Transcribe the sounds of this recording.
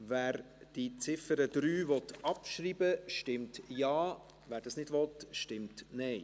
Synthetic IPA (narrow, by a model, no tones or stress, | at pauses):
vɛːɾ | d̥it͡sɪfəɾəd̥ɾyːvɔtɑpʃɾiːbəʃtɪmtjɑː | ʋæːɾdɑːsnɪdʋɔtʃtɪmtnɛɪ